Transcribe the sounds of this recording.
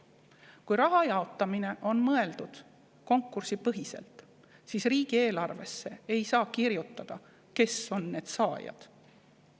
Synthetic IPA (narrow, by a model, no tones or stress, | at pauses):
kujɾɑɦɑjɑo̞t̪ːˑɑmine̞ʔo̞nmɤe̞ld̪̥ud̪̥ | ko̞ŋkːˑursipɤɦise̞̰lt̪ | siːsriːɡ̥ie̞ːlɑrve̞sːe̞ejsɑːkiɾjut̪ːˑɑd̪̥ɑ | ke̞so̞nːe̞ːd̪̥sɑːjɑ̰d̪̥